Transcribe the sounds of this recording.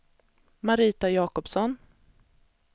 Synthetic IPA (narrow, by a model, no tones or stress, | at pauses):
maɾiːt̪ajɑːkɔpsɔn